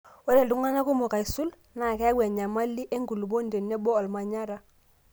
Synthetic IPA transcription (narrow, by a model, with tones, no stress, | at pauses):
wo˦ɾe˨du˦ŋa˦na˦ku˦mo˨ka˨i˨su˦l | na˨kɛ˦ɡwɛ˨ɲa˨ma˦lːi˦ʔe˦ŋɡu˨lbo˦nde˨nːe˦bɔ˦ɔ˨lma˨ɲa˦ɾa˨˦